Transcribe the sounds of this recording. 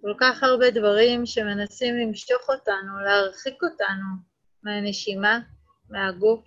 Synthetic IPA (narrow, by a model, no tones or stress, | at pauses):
ko̞lkaχaʁbe̞dvaʁimʃe̞me̞nasimlimʃto̞χo̞tanuleaʁχiko̞tanu | meane̞ʃima | meaɡuf